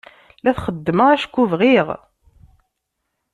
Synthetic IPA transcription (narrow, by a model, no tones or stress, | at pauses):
læθχəd̪ːməæʃkːuvʁiʁ